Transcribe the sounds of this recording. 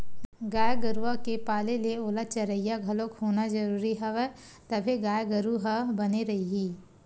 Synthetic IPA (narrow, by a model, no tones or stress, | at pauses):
ɡaːjɡəɾuʋakepaːleleoːlat͡ʃɐɾəijaɡʱɐlokhoːnazɐɾuːɾiɦɐʋɛ | t̪ɐbʱeɡaːjɡəɾuɦɐbɐneɾɐɦiɦiː